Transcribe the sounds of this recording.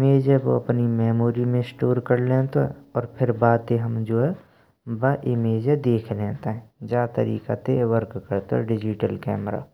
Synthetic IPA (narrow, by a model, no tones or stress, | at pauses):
ɪmeːd͡ʒɛʋo̰ɐpnimɛːmoːɾimẽɪsʈoːɾkəɾlẽːt̪oɦɛ̰ɔːɾpʰɪɾbaːd̪eɦɐmd͡ʒoːɛ | baʔɪmeːd͡ʒed̪eːkʰlẽːnt̪aɦɛ̃d͡ʒaːt̪ə̰ɾḭːkat̪eʋəɾkːəɾt̪oɛ̰ɖɪd͡ʒɪʈəlkɛ̰ːmɾa̰ː